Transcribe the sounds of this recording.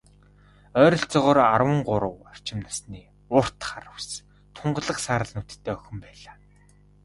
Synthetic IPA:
œːɾɞ̆ɬt͡sɔʁɔːrarwə̆ŋɢʊɾə̆war̥t͡ɕɪ̆mnasniː | ʊr̥t̪χaɾə̆ws | t̪ʰʊɴɢ̆ɮə̆qsaːɾə̆ɮnut̪t̪ʰːeːœxɵ̆mpæːɮaː

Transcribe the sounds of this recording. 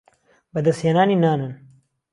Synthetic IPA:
bɐd̪ɐsjenaːninaːnɨn

